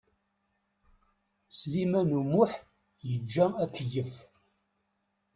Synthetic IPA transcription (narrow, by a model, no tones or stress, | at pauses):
slimænumuħ | jəd͡ʒːæækːəjəf